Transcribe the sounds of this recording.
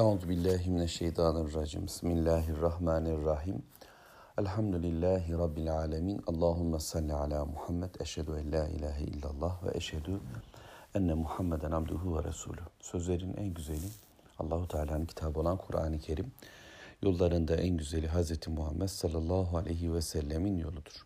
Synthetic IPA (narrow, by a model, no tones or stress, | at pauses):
ʕuːzubilːaːɦiminaʃːejt̪ʰɑːnrˤːɑd͡ʒḭːmismilːaːɦarˤːɑhmaːnrˤːɑħiːm | ælħamd̪ulilːaːɦiɾˤɑbːilʕaːlamiːnɑlˠˤːɑːɦumːasˤɑlːiʕalaːmuħamːɛd̪æʃhæd̪uænlaːʔḭlaːɦæʔḭlːalˤˠːɑːhvɛ̰ʔæʃhæd̪u | ʔænːɛmuħamːɛd̪ænab̚d̪uɦuvɛ̰ɾɑ̰sṵːlʲuhsø̞zlʲeɾinʔæ̰nɟyzelʲi | ɑ̰lˠːɑːɦut̪ʰʕaːlʲaːnɯncʰi̥t̪ʰaːbo̞lˠankʰuɾʔa̰ːnicʰeɾimjo̞lˠːaɾɯnd̪aʔænɟyzelʲiɦazɾet̪ʰimuhamːɛd̪sɑlːɑlˠˤːɑːɦualʔejɦiwɛsɛlːeminjo̞lˠud̪uɾ̥